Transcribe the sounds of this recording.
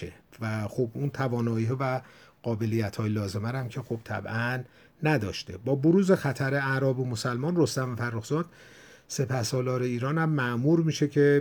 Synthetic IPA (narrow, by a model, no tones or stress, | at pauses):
ḛvæxobunt̪ʰævɒːnɒːiːɦɒːvæɢ̥ɒːbe̞lijæt̪ʰhɒːjelɒːze̞mæɾæmcʰe̞xob̥̚t̪ʰæ̰bʔænː | æd̪ɒːʃt̪e̞̰bɒːboɾuːzexæt̪ʰæɾeæɾɒːbomosælmɒːnro̞st̪æmvæfærːoxzɒːd̪̥ | se̞pʰæhsɒːlɒːɾeiːɾɒːnæmːæʔmuːɾmiːʃecʰe̞